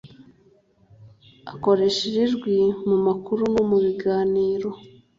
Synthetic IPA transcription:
ako̞ɾe̞ʃeɾeʒɡwimumakuɾunomuβiɡaːniːɾo̞

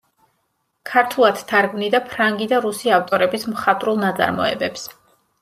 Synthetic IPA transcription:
kʰaɾt̪ʰulˠad̪̥t̪ʰaɾɡmnid̪apʰɾaŋɡid̪aɾusiaft̪ʼɔɾɛbismχat̪ʼɾulˠnat̪sʼa̰ɾmɔ̰ɛ̰bɛps

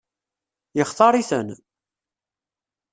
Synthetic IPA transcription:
jəχt̪ˤɑɾˤiθə̰n

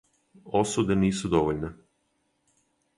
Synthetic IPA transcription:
osud̪eniːsud̪oʋoʎne

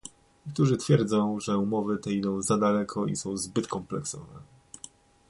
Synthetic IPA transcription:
ɲekt̪uʐɘt̪fʲjɛɾd̪zɔ̃w̃ʐɛumɔvɘt̪ɛid̪ɔ̃w̃zad̪alɛkʰɔḭsɔ̃w̃zbɘt̪kɔmplɛksɔvɛ

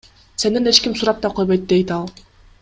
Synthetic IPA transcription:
se̞ninet͡ʃkʲimsuɾɑp̚t̪ɑqʰo̞jbojt̪d̪e̞jt̪ɑlˠ

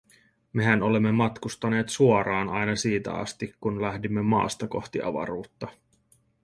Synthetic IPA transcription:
me̞ɦæno̞le̞mːe̞mɑt̪kust̪ɑne̞ːt̪suoɾɑːnɑjnɑsiːt̪æ̰ɑ̰st̪ikkːunlæhdimːe̞mɑ̰ːst̪ɑko̞̰xt̪iʔɑ̰ʋɑ̰ɾuːt̪ːɑ

